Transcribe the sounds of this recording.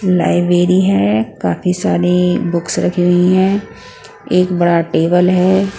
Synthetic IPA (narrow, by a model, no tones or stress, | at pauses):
la̰ːɪbɾeːɾiɦɛːkaːfisaːɾebʊksɾɐkʰiɡɐiɦɛ̃ː | eːkbɐɽaʈeːbəlɦɛː